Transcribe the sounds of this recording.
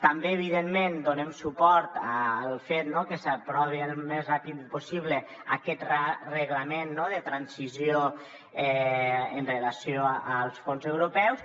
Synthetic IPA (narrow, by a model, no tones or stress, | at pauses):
t̪ambeːβ̞iðenmend̪onemsupɔɾt̪aːlˠfet̪nokəsapɾɔβiəlˠmezrapit̪posiβlə | akɛt̪rarəɣləmenːoðət̪ɾansizjo | ɛənrəlasjoalˠsfonzewɾupɛws